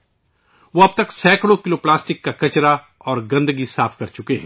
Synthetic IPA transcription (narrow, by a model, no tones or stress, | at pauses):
ʋoɐb̚t̪ɐksɛːkɽokɪloplaːsʈɪkːakɐt͡ʃɾa | ɔːɾɡɐ̃nd̪əɡisaːfʰkɐɾt͡ʃʊkeɦɛ̃ː